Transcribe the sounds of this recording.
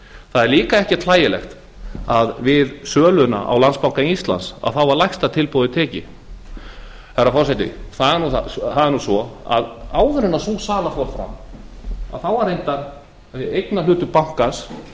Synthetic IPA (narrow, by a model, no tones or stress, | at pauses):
θaðɛɾliːkaɛhcɪt̪ʰlaːjɪlɛ̰xt̪ | aðvɪðsœːlʏna̰ʔa̰wlanspawŋ̥kanist̪la̰nsa̰ðθawvaɾlajxst̪at̪ʰɪlpowðɪt̪ʰɛːcɪ | ɛrːafɔrsajt̪ɪ̰θaðɛɾnuaθaðɛɾnusɔa̰ðaːwðʏɾɪnasuːsaːlafɔɾfɾa̰m | a̰ðθawvaɾejnt̪aɾ | ejknalʏːt̪ʏpawŋ̥kas